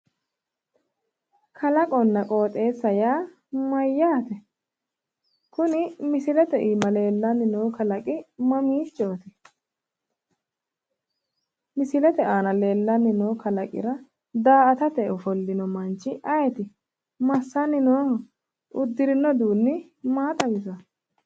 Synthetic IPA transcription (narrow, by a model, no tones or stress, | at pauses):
kʰɐlɐkʼɔnːɐkʼo̞ːt̪ʼe̞ːsːɐjaː | mɐjːaːt̪ɛ | kʊnɪmɪsɪlɛt̪ɛʔiːmɐle̞ːlːɐnɪnoːkɐlɐkʼɪmɐmiːt͡ʃʼːoːt̪ɛ | mɪsɪlɛt̪ɛʔaːnɐle̞ːlːɐnːɪnoːkɐlɐkʼɪ̰ɾɐ | d̪aːʔɐt̪ɐt̪ɛɔfɔlːɪnɔmɐnt͡ʃːɪʔɐjɛt̪ɪ | mɐsːɐnːɪnoː | ʊd̪ːɪɾɪnːɔd̪uːnːɪ | maːt̪ʼɐɡɪzɐ